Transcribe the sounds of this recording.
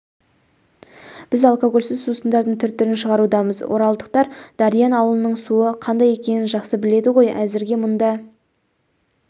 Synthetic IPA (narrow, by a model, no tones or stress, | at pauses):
b̥ɪzɑlˠkoɡo̞lʲsɪzsusənd̪ɑɾd̪əɴt̪ʰʏɾt̪ːʏɾɪnʃəʁɑɾud̪ɑməzwo̞̰ɾɑlˠd̪əq̚t̪ɑɾd̪̥ɑɾijɑnɑwəlˠənəɴsuəqʰɑnd̪ɑje̞kʲe̞nɪnʒɑqsəbɪle̞d̪ɪʁo̞jæzɪɾɡʲe̞mʊnd̪ɑ